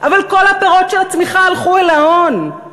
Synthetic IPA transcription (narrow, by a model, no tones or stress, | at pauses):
ʔavalko̞lhapeʁotʃelat͡smiχaːlχuelaon